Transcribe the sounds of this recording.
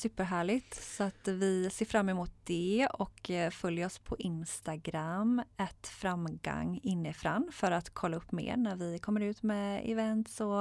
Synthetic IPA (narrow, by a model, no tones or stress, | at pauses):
sʉ̟ːpːəɾɦæːɭɪt̪sɔat̪vɪseːɾfɾamːɛmuːt̪̚d̪̥ɛɔkfœljɔspʰɔʔɪnst̪aɡɾamːɛt̪fɾamɡa̰ŋːɪnːəɪfɾanːfœɾat̪kʰɔlːaɵpːmḛːɾnæɾvɪkʰɔmːəɾʉ̟ːt̪mɛɪ̰vɛnt̪sɔ